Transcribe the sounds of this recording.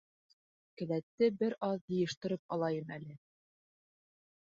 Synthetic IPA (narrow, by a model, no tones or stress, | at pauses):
kɘ̆læt̪ːɘbɘɾʔɑðjɤ̆jɤ̆ʃt̪ɤ̆ɾɤp̚ɑlˠɑjɤmælɘ